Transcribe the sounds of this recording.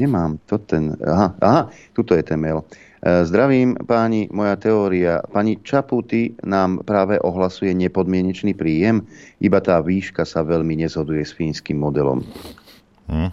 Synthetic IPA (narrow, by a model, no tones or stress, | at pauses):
ɲɛmaːmt̪ɔt̪ɛnaɦaʔaɦat̪ut̪ɔjɛt̪ɛnmɛl | zd̪ɾaʋiːmpaːɲimɔjat̪ɛɔːɾia̰paɲit͡ʃaput̪inaːmpɾaːʋɛʔɔɦlasujɛɲɛpɔd̪mɪɛɲɛt͡ʃniːpɾiːjɛmʔibat̪aːʋiːʃkasaʋɛʎmiɲɛzɦɔd̪ujɛsfiːnskimːɔd̪ɛlɔ̰m